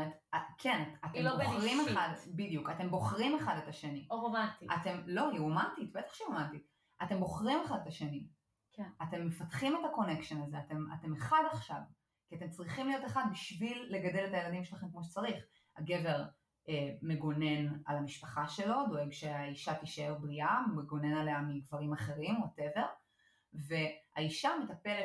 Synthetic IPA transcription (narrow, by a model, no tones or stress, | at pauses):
t̪akʰenatat̪emboʁimeχad̪bidijukatembo̞χʁimeχadetaʃe̞niovat̪ia̰t̪e̞mlo̞iumantitbet̪ḁχʃeiumantit | ʔate̞mbo̞χʁimeχad̪etaʃeni | kate̞mːe̞fatχimetako̞ne̞kʃenazeate̞ma̰te̞meχadaχʃav | kiat̪e̞mt͡sʁiχimlijo̞t̪eχad̪biʃvilːe̞ɡade̞letaje̞ladimʃelaχe̞mkmoʃet͡saʁiχ | a̰ɡe̞ve̞ʁ | eme̞ɡone̞nalamiʃpaχaʃe̞lo̞d̪o̞e̞ɡʃe̞aiʃat̪iʃaelbʁiʔameɡo̞nenaleamiɡvaʁimaχe̞ʁimoate̞ve̞ʁ | ve̞aiʃame̞tapele